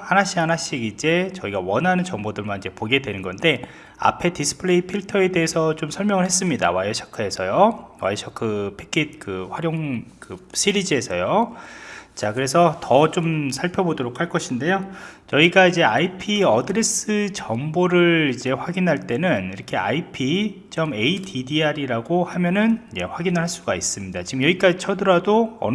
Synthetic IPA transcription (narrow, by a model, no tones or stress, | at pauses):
hanaɕ͈ianaɕ͈iɡid͡ʑe̞t͡ɕʌiɡawʌnɦanɯnt͡ɕʌŋbodɯɭmanid͡ʑe̞poɡe̞dwe̞nɯnɡʌnde̞ | a̰pʰe̞disʰɯ̥pʰɯɭe̞ipʰiɭtʰʌe̞de̞ɦesʰʌt͡ɕomsʰʌɭmjʌŋɯɭhe̞s͈ɯmɲida̰wajʌɕʰḁkʰɯe̞sʰʌjowa̰ɕʰʌkʰɯpʰekʰit̚kɯɸwaɾjoŋkɯɕʰiɾid͡ʑiɦe̞sʰʌ̰jo | t͡ɕakɯɾe̞s̬ʰʌtʌt͡ɕomsʰaɭpʰjʌbodoɾokʰaɭk͈ʌɕʰinde̞jot͡ɕʌiɡaid͡ʑe̞aipʰiʌdɯɾe̞s͈ɯt͡ɕʌmboɾɯɭid͡ʑe̞ɸwaɡinɦaɭt͈e̞nɯniɾʌkʰe̞a̰ipʰit͡ɕ͈ʌme̞itʰidiaɾiɾaɡohamjʌnɯnid͡ʑe̞ɸwaɡinɯɭɦaɭs͈uɡais͈ɯmɲidat͡ɕiɡɯmjʌɡik͈ad͡ʑit͡ɕʰʌdɯɾadoʌ̰n